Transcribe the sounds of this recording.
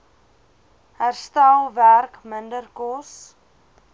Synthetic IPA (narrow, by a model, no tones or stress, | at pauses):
hærstælˠværkməndərkɔs